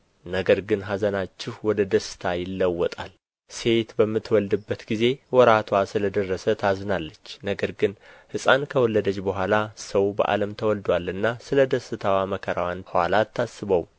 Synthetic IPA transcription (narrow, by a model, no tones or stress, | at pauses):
nəɡəɾɡɨnɦazənat͡ʃːɪhwɔd̪əd̪əsɨ̥t̪ʰajɪlːəwːɔt̪ʼal | se̞t̪bəmːɨt̪ːwɔld̪ɨbːət̪ɡize̞wɔɾat̪ʰwasɨləd̪ərːəsət̪ʰazɨnalːət͡ʃːnəɡəɾɡɨnhɨsʼankʰəwɔlːəd̪ət͡ʃːbəɦʷalasəwbə̰ʔa̰ləmt̪ʰəwɔld̪walɨnːasɨləd̪əsɨt̪ʰawaməkʰəɾawanha̰lat̪ʰːasːɨβəw